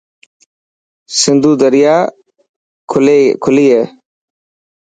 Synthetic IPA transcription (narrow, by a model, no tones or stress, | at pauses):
sɪnd̪uːd̪əɾɪjaː | kʰʊliːɦeː